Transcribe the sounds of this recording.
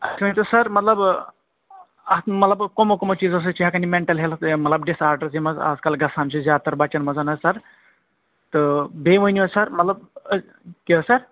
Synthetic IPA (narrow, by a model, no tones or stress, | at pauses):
ɐt͡ʃʰiʋɐnʲit̪ɨsɐɾmɐt̪lɐb | ɐmɐt̪lɐbkomokomot͡ʃiːzɐs̬ɨt͡ʃiɦakɐnimeɳʈɐlɦelmɐt̪lɐbɖisaːɾɖɐɾzimɐza̰ːd͡zkɐlɡɐsaːmt͡ʃʰizjaːt̪ɐɾbɐt͡ʃɐnmɐzɐnɐzsɐɾ | t̪ɨbeːʋəniʋɐsɐɾmɐt̪lɐb̚ | kiɐsɐɾ